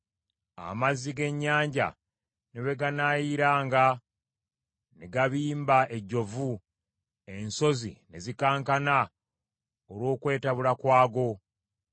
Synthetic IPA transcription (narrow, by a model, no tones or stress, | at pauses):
a̰mazːiɡe̞ɲːaːɲɟa̰ | neβe̞ɡanaːjiɾaːŋɡa | neɡaβiːmbae̞ɟo̞vu | e̞nso̞zḭne̞zikaːŋkana | olwo̞ːkwe̞ːtaβulakwaːɡo̞